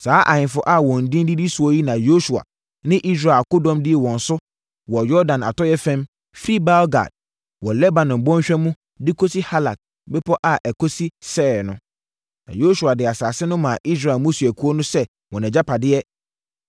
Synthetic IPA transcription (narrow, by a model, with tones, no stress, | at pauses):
saː˨˦ʔa˨ɲɪ̃˨fʊ˦ʔa˦˨wɔ̃˨n̩˨dĩ˦ndi˦di˦sʊ˨ɔ˦ji˦nã˨jo˦su˨a̰˨ | nɪ̃˦ʔi˦s̬ɾa˨ko˦dɔ̃˦mdɪ˦ɛ˨wɔ̃˨n̩˨sʊ˦ | wɔ˨jɔ˦dã˨na̰˨tɔ˦jɛ˦fɛ̃˦m | fɾi˦ba˦lɡa̰˨d̥̚ | wɔ˨lɛ˦ba˨nɔ̃˨mbɔ̃˦ɕᶣɛ˦mũ˦ | dɪ˦kʰo˦si˦ha˦la̰˨k̚ | bɛ˦pʰɔ˦ʔa˨ʔɛ˨kʰo˦si˦sɛː˦˨ɾnʊ̃˨˦ | nã̰˨jo˦su˨a˨dɪ˨a˨saː˨sɪ˦nʊ̃˦mã˨ʔi˦s̬ɾa˨mʊ̃˦su˨æ˨kʰu˦o˦nʊ̃˦sɛ˦ | wɔ̃˨nɛ̃˨d͡ʑa˦pʰa˨dɪ˦jɛ˦